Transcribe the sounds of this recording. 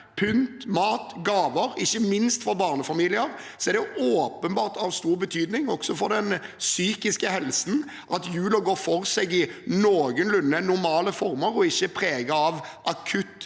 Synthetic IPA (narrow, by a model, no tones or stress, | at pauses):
pʰʏnt̪mɑːt̪ɡɑːʋəɾɪçːəmɪnst̪fɔɾbɑːʁnəfɑmiːlɪəɾ | sɔɛɾd̪ɛʔoːpənbɑːɾt̪ɑʋst̪uːɾbət̪ʰyːd̪nɪŋɔksɔfɔɾd̪ɛnsyːkɪskəhɛlsn̩ | ʔɑt̪jʉːləɡoːɾfɔɾsɛɡɪnoːɡənlʉnːənʊɾmɑːləfɔɾʁməɾɔɪçːəpʰɾeːɡəɑʋʔɑkʰʉt̪ː